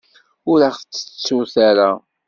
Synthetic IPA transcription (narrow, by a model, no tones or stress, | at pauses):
ʊɾaχθt͡sːə̥t͡sːʊθaɾa